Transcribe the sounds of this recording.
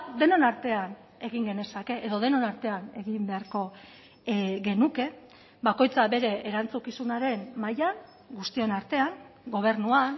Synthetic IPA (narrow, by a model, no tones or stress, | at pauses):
d̪e̞no̞naɾt̪e̞an | e̞ɣiŋɡe̞ne̞sake̞ʔeðo̞ð̞e̞no̞naɾt̪e̞ane̞ɣimbe̞aɾko̞ | ɣe̞nuke̞ | bako̞jt͡saβe̞ɾe̞ʔeɾant͡sukisunaɾe̞nmajaŋ | ɡust̪io̞naɾt̪e̞aŋɡo̞β̞e̞rnuan